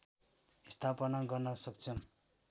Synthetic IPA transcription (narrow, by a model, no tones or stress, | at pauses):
ist̪ʰapʌnaɡʌrnʌsʌkt͡sʰʌm